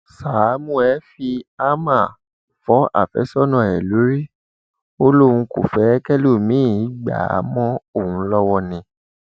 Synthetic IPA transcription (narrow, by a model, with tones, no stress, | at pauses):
sa˨˦mũ˦ɛ˦fi˧a˦ma˦˨ | fɔ˨˦a̰˦˨fɛ̰˨˦sɔ˦nɔ̃˨ɛ˨lu˨˦ɾi˦ | o˦lo˦˨ũ˧kṵ˨fɛ˨˦kɛ˦lo˦˨mĩ˦˨i˦ɡ͡ba̰˨a̰˨˦mɔ̃˦o˦˨hũ˧˦lɔ˦wɔ˧nĩ˧